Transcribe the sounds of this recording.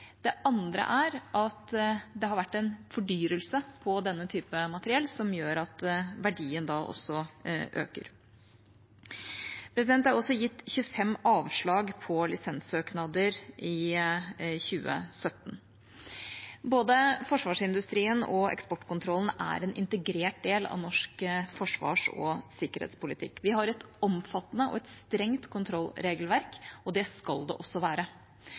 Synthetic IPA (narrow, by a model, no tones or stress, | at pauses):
d̪̥ɛʔɑnd̪ɾə̰ʔæɾʔɑt̪d̪ɛhɑɾʋæʈːɛnfɔɖyːɾəlsəpʰɔd̪ɛnːət̪ʰyːpəmɑt̪əɾɪɛlːsɔmjøːɾɑt̪ʋæɖiːənd̪ɑːʔɔ̰sːɔʔø̰ːkə̰ɾ | pʰɾɛs̬ɪd̪ɛnt̪æɾɔsːɔjɪt̪ːçʉːəfɛmːɑːʋʂɭɑːɡpʰɔlɪsɛnsøːknɑd̪əɾɪ | çʉːə̰sœt̪ːn̩ | boːd̪əfɔʂʋɑːʂɪnd̪ʉst̪ɾiːənɔɛ̰kspɔʈːkʊnt̪ʰɾɔln̩æ̰ɾɛnʔɪ̰nt̪əɡɾeːʈ̚d̪eːlɑ̰ʋnɔʂkfɔʂʋɑ̰ːʂɔ̰sɪkəɾhḛːt̪spʊlɪt̪ʰɪ̰kːʋɪhɑɾɛt̪ɔmfɑt̪ːnəʔɔ̰ɛt̪st̪ɾɛŋt̪kʰʊnt̪ʰɾɔlːɾeːɡlʋæɾkɔd̪ɛskɑld̪ɛ̰ʔɔsːɔʋæːɾə